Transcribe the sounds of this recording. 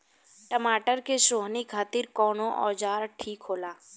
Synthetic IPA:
ʈəmaːʈəɾkeʃoːɦnikʰaːt̪ɪɾkɔːnõʔɔːd͡ʒaːɾʈʰiːkɦoːlaː

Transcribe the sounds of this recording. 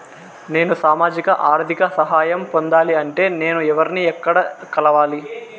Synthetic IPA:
ne̞ːnusaːmaːd͡ʒikɐʔaːɾd̪ʱikɐsɐɦaːjɐmpond̪aːliɐɳʈe̞ːne̞ːnuɛʋɐɾiniɛkːɐɽɐkɐlɐʋaːli

